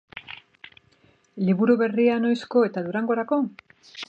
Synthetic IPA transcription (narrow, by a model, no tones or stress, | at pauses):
liβuɾuβe̞riano̞jsko̞e̞t̪aðuɾaŋɡo̞ɾako̞